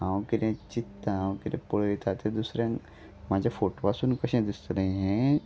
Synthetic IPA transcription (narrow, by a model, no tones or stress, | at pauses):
ɦãwkiɾẽt͡ɕit̪ːaɦãwkiɾẽpoɭʋit̪at̪ed̪usɾjãŋ | mad͡ʑʱafoʈoʋasuːnkəɕẽd̪ist̪ənaiɦẽ